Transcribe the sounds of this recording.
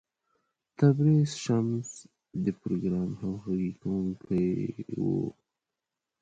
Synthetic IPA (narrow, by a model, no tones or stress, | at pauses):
t̪abɾesʃams | d̪əpɾoɡɾɑmhawxaɡikʰawuŋkʰajwo̰